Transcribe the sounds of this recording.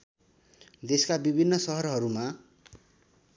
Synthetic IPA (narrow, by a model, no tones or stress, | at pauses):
d̪eskabibʱinːʌsʌɦʌɾɦʌɾuma